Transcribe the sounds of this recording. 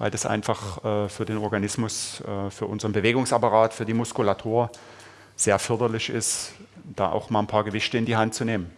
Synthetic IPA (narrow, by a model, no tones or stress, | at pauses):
vaɪldasʔa̰ɪnfaχʔɛːfyːɐdeːnɔɐɡanɪsmʊsʔɛːfyːɐʔʊnzəʁənbəveːɡʊŋsʔapaʁaːtfyːɐdiːmʊskulatʰuːɐ | z̥eːɐfʏɐdɐlɪçʔɪ̰std̥a̰ːʔa̰ʊxmaːlənpʰaːɐɡəvɪçtəɪndiːɦantt͡suneːmən